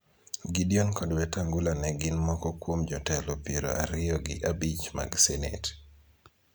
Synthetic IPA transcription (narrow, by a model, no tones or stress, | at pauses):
ɡidionkɔdwɛtaŋɡulanɛɡɪnmɔkɔkwomd͡ʒɔtɛlɔpiɾo̰ʔaɾɪɔɡɪ̰ʔabit͡ʃma̰ɡsɛnḛt